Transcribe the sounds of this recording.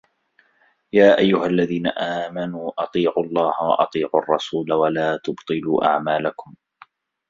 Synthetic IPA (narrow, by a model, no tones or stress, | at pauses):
jaːʔajːʊhalːaðiːna̰ʔaːmanuːʔɑt̪ˤiːʕuɑlˤːɑːhawɑ̰ʔɑ̰t̪ˤiːʕuʔɑrˤːɑsuːlawalaːt̪ʊbt̪ˤɨluːʔa̰ʕmaːlakʊm